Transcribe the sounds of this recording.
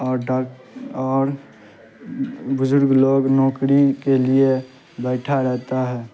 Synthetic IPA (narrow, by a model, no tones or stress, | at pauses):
ɔːɾa | ɔːɾ | bʊzʊɾɡloːɡnɔːkɾikelie | bɛːʈʰaɾɛɦt̪aɦɛː